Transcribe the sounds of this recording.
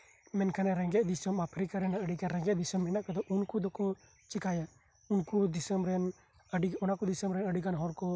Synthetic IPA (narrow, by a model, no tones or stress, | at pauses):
mɛnkʰanɛɾɛ̃ŋɡɛt̪̚d̪isəmapʰɾikaɾɛnaʔəɖikaɾɛ̃ŋɡɛt̪̚d̪isəmɛnaʔkad̪ɔʔunkud̪ɔkɔ | t͡ʃikaja | unkud̪isəmɾɛn | əɖiɔnakud̪isəmɾɛnəɖikanɦɔɾkɔ